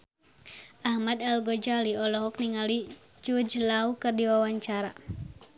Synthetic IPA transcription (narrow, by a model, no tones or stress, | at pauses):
ʔahmadalɡɔd͡ʒaliɔlɔɦɔkniŋalid͡ʒud͡ʒlaukɨrdiwawaɲt͡ʃaɾa